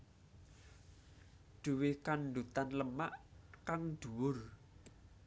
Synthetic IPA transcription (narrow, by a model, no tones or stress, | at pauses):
ɖ̪̥ṳwɪkanɖ̪ut̪anləmaʔkaŋɖ̪̥ṳwʊr